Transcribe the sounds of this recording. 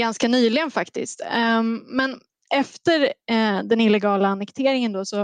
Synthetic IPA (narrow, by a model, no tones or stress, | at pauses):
ɡanskanyːlɪɡənfakt̪ɪ̰st̪mɛn | ʔɛft̪əɾd̪ɛnɪlːɛɡɑːlaːnɛkt̪ʰeːɾɪŋənd̪oːsɔ